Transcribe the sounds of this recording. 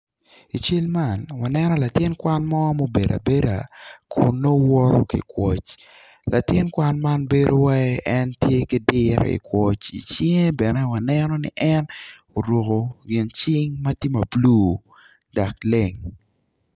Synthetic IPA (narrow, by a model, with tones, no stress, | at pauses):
i˨t͡ʃe˦lma˨nwa˨nɛ˦nɔ˦la˨tɪ˦nkwa˦nmɔ˦mo˦be˨da̰˨be˦da̰˨kʰʊ˨nːo˦wɔ˦ɾo̰˦kḭ˨kwɔ˨t͡ʃ | la˨tɪ˦nkwa˦nma˦nbe˦ɾo˦wɛ˦ʔɛ˦ntje˦kɪ˦dɪ˦ɾ̰ḭ˨kwɔ˦t͡ʃḭ˨t͡ʃɪ˦ŋe˦bɛ˨nɛ˦wa˨nɛnɔ˦nɪ̰˦ʔɛn | o˨ɾwo˨ko˨ɡɪ˨nt͡ʃɪ˦ŋma˦ti˦ma˨bluː˦ | da˨kle˦ŋ